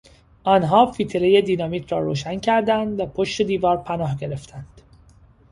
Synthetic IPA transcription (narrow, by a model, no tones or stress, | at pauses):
ʔɒːnɦɒːfiːt̪ʰeɾeje̞d̪iːnɒːmiːt̪ʰɾɒːɾoːʃæncʰæɾd̪ænd̪væpʰo̞ʃt̪e̞d̪iːvɒːɾpʰænɒːhɟe̞ɾe̞ft̪ʰænd̪̥